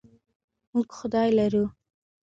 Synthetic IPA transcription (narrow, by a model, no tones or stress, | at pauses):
muɡxʊd̪ɑjlaɾu